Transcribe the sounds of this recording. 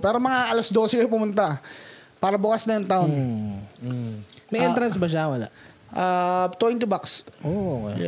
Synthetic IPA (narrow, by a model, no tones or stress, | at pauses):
pɛːɾomɐŋaʔɐlɐsd̪o̞ːsɛkɐjopʊmʊnt̪apaːɾɐbʊkasnɐjʊŋt̪aʔon | mɐjʔɛnt̪ɾɐnsbɐʃ̬awɐla̰ʔ | ʔat̪ojɪnt̪ʊbaksʔookj